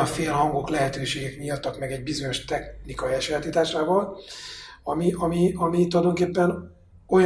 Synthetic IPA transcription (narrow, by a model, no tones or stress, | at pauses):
ɒfeːlɦɒŋɡo̞klɛɦɛt̪øːʃeːɡɛkmijɒt̪ːɒkmɛɡɛɟbizo̞ɲo̞ʃt̪ɛxnikɒjiɛʃɛlt̪it̪aːʃaːvɒl | ɒmiʔɒmiɒmit̪ulɒd̪o̞ŋkeːpːɛn | o̞j